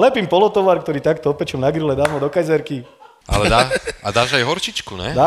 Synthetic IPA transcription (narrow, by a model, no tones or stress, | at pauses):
lɛpiːmpɔlɔt̪ɔʋaɾkt̪ɔɾiːt̪akt̪ɔɔpɛt͡ʃɔmnaɡɾilɛd̪aːmɔd̪ɔkajzɛɾki | ʔa̰lɛd̪aad̪aːʒajɦɔɾt͡ʃit͡ʃkunɛ̰d̪aː